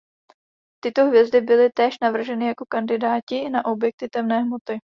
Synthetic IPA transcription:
t̪ɪt̪o̞ɦvjɛzdɪbɪlɪt̪ɛːʃnavr̩ʒɛnɪjako̞kandɪdaːcɪnaʔo̞bjɛk̚t̪ɪt̪ɛmnɛːɦmo̞t̪ɪ

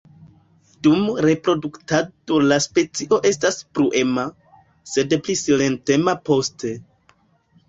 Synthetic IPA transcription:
d̥umɾe̞pɾo̞duktadolaspe̞t͡siʔo̞ʔe̞staspɾuʔe̞ma | se̞dplisile̞nte̞mapo̞stʰe̞

